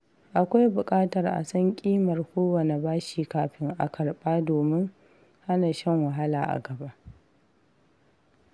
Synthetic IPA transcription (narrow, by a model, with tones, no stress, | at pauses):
ʔa˨kʷa˦jbʊ˨kʼaː˦tɐ˨rʔa̰˨sɐ˦ŋkʲʼiː˦mɐ˨rkʷoː˦wɐ˨ne˨baː˦ʃiː˨kaː˨ɸɪ˦ŋʔa̰˨kɐ˨rɓaː˦doː˨mɪ˦ŋ | ha˦naː˨ʃɐ˦˨ŋwa˨ɦa˦la̰ː˨ʔa̰˨ɡɐ˨ba˦ʔ